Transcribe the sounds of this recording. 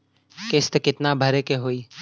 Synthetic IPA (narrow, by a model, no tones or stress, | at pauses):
kɪst̪kɪt̪nabʱəɾekeɦoiː